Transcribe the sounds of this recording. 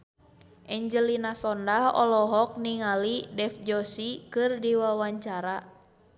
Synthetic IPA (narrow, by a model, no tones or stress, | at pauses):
ʔɛɲd͡ʒəlinasɔndahɔ̰lɔɦɔk̚niŋalidɛfd͡ʒɔsikɨrdiwawaɲt͡ʃaɾa